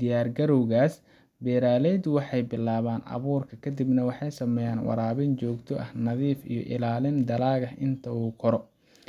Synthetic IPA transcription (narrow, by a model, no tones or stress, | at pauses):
ɪjaːrɡɐɾɔwɣaːs | bɛːɾaːlɛd̪wɑħɑjbɪlːaːβaːnʔɐ̰βuːrkʰɐkʰɐd̪ibnɐwɑħɑjsɐmɛjaːnwɑ̰ɾaːβɪnt͡ʃɔːɡt̪ʰɔʔɐhnɐðiːfḭjɔ̰ʔɪ̰laːlɪnd̪ɐlaːɣɐɦɪnt̪ʰɐuːkʰɔɾɔ